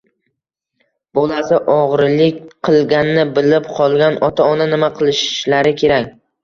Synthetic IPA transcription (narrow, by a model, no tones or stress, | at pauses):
b̥olˠasɪʔɒʁɾlɪkʲqʰɨlˠɡʲanːɪbɪlɪpqʰɒlˠɡʲanɒt̪ʰaɒnanɪmaqʰɨlˠɪʃɪ̥ʃlaɾɪkʲʰe̞ɾakʲ